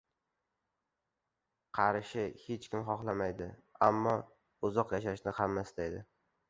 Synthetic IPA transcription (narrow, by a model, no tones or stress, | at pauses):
qʰɑɾʃɪhet͡ʃkʲɪmχɒχlˠamajd̪ɪamːɒ | ʊzɒqjaʃaʃnɪhamːasɪt̪ajd̪ɪ